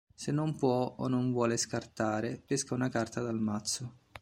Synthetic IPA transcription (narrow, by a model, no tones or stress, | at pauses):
senːompwɔo̰nːoɱvwɔːleskart̪aːɾepeskaunakart̪ad̪almat̪sːʊ